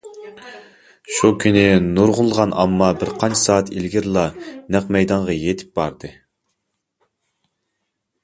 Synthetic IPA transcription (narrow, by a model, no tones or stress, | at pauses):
ʃukʲʰynɪnuɾʁʊlˠʁɑnʔɑmːɑbɪɾqʰɑnt͡ʃʰi̥sɑːt̪ʰilɡʲiɾlˠɑnæqmɛjd̪ɑɴʁɑjet̪ʰɪ̥p̚b̥ɑɾd̪ɨ